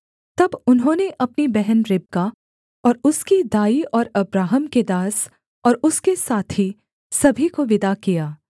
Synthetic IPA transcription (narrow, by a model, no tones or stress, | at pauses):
t̪ɐbʊnɦõːneʔɐpnibɛɦənɾɪb̚ka | ɔːɾʊskid̪aːiɔːɾɐbɾaːɦəmked̪aːs | ɔːɾʊskesaːt̪ʰi | sɐbʱikoʋɪd̪akijaː